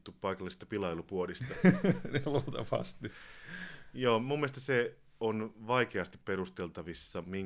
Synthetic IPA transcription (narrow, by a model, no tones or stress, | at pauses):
t̪ːuppɑikɑlːˑist̪ɑpilɑilupuolist̪ɑnelut̪ɑ̰ʋɑ̰st̪i | joːmumːest̪ɑse | onʋɑikeɑst̪ipperust̪elt̪ɑʋisːɑmiŋ